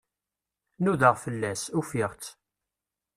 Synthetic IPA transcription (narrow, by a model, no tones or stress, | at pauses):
nuðəʁfəlːæsufiʁt͡s